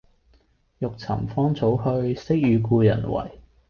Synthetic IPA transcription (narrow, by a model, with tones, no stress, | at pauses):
jʊ˨k̚t͡sʰɐ̰˨˩mfɔː˥ŋt͡sʰo˨˥whɵ˧ɥsɪ˥k̚jyː˨˧kuː˧jɐ̰˨˩nwɐ̰˨˩j